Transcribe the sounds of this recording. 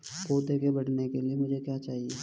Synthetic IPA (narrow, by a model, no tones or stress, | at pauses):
koːd̪eːkebɐɽnekeliemʊd͡ʒʱekjat͡ʃaːɦieː